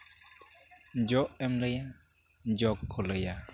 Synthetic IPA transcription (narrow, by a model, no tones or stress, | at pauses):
d͡ʒɔʔɛmləja | d͡ʒɔkʰːoləja